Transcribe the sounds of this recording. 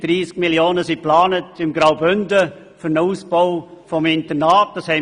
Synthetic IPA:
d̥riːskmiljoːnəsiplaːnətɪmɡɾaʊbʏndə | fʏɾnəuːsboʊfɔmɪntənaːt̚d̥ɑshɛɪ

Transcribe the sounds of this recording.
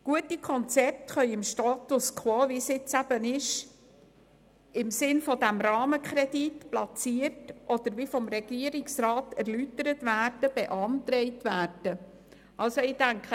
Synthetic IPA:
ɡ̥uətikʰɔnt͡sɛp̚tχœʏɪmʃtɑːtʊskʰwoːʋisɪt͡sæb̥ənɪʃ | ɪmsɪnfɔdæmɾɑːməkχɾɛditplɑt͡siərtʔɔd̪əɾʋifɔmɾɛɡ̥iəɾɪksrɑːtæɾlytəɾətvæːrd̥əb̥ɛʔɑnt̪ɾɛɪtvæːrd̥ə | ʔɑlsɔɪdæŋkχə

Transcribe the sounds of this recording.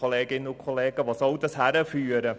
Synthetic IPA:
oleːɡɪnʊkʰoleːɡ̥əʋɑsɑld̪əshæɾəfyːɾə

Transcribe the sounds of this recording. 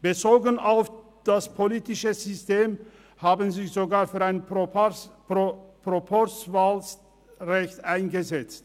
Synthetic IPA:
b̥ət͡soːɡənaʊf | d̥aspʰoliːtɪʃəzʏsteːm | haːbənzɪçz̥oɡaːɐfyːɐaɪn | pʁ̥opʰɔsvaːls | ʁɛçtʔaɪnɡəzɛt͡st

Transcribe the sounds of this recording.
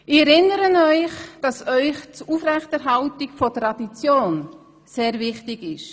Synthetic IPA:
ɪɛɾɪnːəɾənœʏχd̥ɑsœʏχt͡sufɾɛxtəɾɦɑltɪkfɔtɾɑd̥it͡sjoːn | seːɾvɪχtɪɡɪʃ

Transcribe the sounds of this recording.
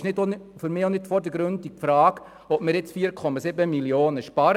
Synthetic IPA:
ʃnɪdonfʏɾmɪːonɪd̥fɔɾdəɡɾɵndifɾɑːɡ̥ | ɔpmɪɾjɪt͡sfiːəɾkʰɔmɑsɪbəmilioːnəʃpɑɾ

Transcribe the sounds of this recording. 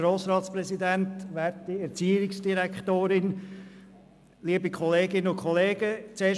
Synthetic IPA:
ɾoːsɾɑːt̪spɾɛzidæntʋæɾtːiɛɾt͡siːɪksd̥iɾɛkχt̪oːɾɪn | liəbikχɔleːɡɪnəʊkʰχɔleːɡ̥ət͡seː

